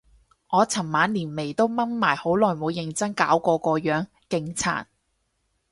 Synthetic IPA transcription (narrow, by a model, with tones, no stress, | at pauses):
ʔɔː˨˧t͡sʰɐ˨˩mmaː˨˥nliː˨˩nme˨˩jt̪o˥wmɐ˥nmaː˨˩jho˨˥wlɔː˨˩jmuː˨˧wjɪ˨˧ŋt͡sɐ˥ŋkaː˨˥wkɔː˧kɔː˧jœː˨˥ŋ | kɪ˧ŋt͡sʰa̰ː˨˩n